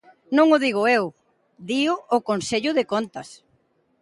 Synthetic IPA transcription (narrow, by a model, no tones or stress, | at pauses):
nõŋʊðiɣ̞ʊew | d̪iʊːkonseʎʊðɪkont̪ɐs